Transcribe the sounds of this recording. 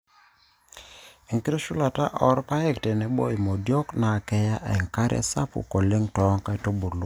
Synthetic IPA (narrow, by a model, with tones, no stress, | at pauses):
i˨ŋki˦ɾe˦ʃu˦la˨ta˦ʔɔ˨˦ɾpa˦ɛ˦ktɛ˨nɛ˨bo̰˦i˨mo˨djo˦kna˨kɛ˦ja˦ʔɛ̰˨ŋka˦ɾʔɛ̰˦sa̰˦pṵ˨ko˨le˦ŋtɔ˨˦ŋka˦i˨to˦bo˨lo˦